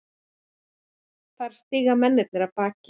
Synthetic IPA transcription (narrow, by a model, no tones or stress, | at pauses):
θaɾ̥st̪iːɣamɛnːɪt̪̚nɪɾaðpaːc